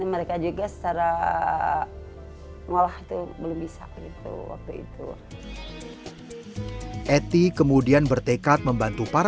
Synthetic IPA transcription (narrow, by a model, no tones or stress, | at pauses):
məɾekad͡ʒuɡasə̥t͡ʃaɾa | ŋolahit̪ubəlʊmbisa̰ɡit̪ṵwa̰k̚t̪uḭt̪ṵ | ʔɛt̪ikəmudianbərt̪ekat̪̚məmbant̪upaɾ